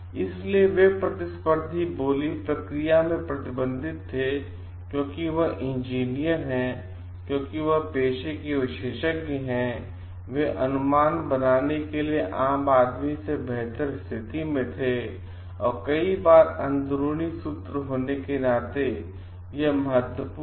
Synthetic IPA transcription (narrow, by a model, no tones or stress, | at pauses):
ɪslieʋepɾɐt̪ɪspəɾd̪ʱiboːlipɾɐkɾijamẽpɾɐt̪ɪbə̃nd̪ʱɪt̪ʰːe | kjõːkiʋɐɦʔɪ̃nd͡ʒiːnijəɾɦɛ̃ | kjõːkiʋɐɦpeːʃekeʋɪʃeːʃəkkiɦɛ̃ | ʋeʔɐnʊmaːnbɐnaːnekelieʔaːmaːd̪misebɛɦt̪əɾst̪ʰɪt̪imẽt̪ʰe | ɔ̰ːɾkɐibaːɾɐ̃nd̪ɾuɽ̃isʊt̪ɾəɦoːnekenaːt̪e | jemɐɦət̪wəpu